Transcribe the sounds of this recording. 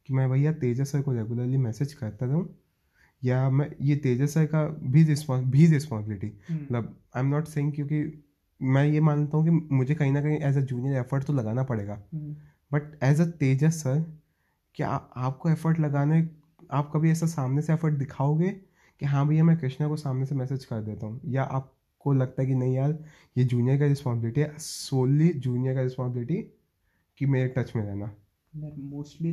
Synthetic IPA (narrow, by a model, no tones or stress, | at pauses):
kimɛ̃bʱaijːat̪eːd͡ʒasɐɾkoɾɛɡjʊləɾlimɛːsed͡ʒkɐɾt̪aɾɛɦũː | jamɛ̃jet̪eːd͡ʒasɐɾkabʱiɾɪspɔ̃bʱizɾɪspɔ̃nsɪbɪlɪʈimɐt̪ləb | ãːɪ̃mnɔːʈseːɪ̃ŋɡkjõːki | mɛ̃jemaːnt̪aɦũk̬imʊd͡ʒʱekɐɦĩnɐkɐɦĩʔɛːzɐd͡ʒuːnijəɾɛfəɾʈt̪olɐɡaːnapɐɽeːɡaː | bɐʈɛːzat̪eːd͡ʒasɐɾ | kja̰aːp̚koɛfəɾʈlɐɡaːnaɛ | aːp̚kɐbʱiɛːsasaːmneseɛfəɾʈ̚d̪ɪkʰaːoːɡeː | kiɦãbʱiamɛ̃kɾɪʃnakosaːmnesemɛːseːd͡ʒkɐɾd̪eːt̪aɦũjaʔa̰ːp̚ | kolɐɡt̪aɦɛk̬inɐɦĩaːl | jed͡ʒuːnijəɾkaɾɪspaːnsɪbɪlɪʈiɦɛsoːlid͡ʒuːnjəɾkaɾɪspãːnsɪbɪlɪʈi | kimeːɾiʈɐt͡ʃmẽɾɛɦnaː | moːsʈli